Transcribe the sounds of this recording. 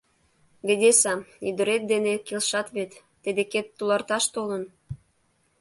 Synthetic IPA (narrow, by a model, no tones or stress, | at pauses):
βed̪esɑyd̪əɾet̪̚d̪enekelʃɑt̪βet̪ːed̪eket̪ːulɑrt̪ɑʃt̪olən